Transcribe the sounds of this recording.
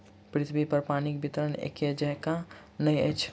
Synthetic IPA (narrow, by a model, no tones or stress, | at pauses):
pɾit̪ʰbipəɾpanikbit̪əɾənḛkːed͡ʒəɦkanəjə̰jt͡ʃʰ